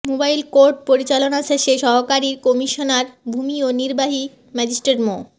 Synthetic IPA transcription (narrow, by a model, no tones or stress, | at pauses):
mobajlkoɾɖ̚poɾit͡ɕalonaʃeʃeʃɔɦokaɾiɾkɔmiʃonaɾbʱumioniɾbaɦi | mɛd͡ʑisʈɾeʈmo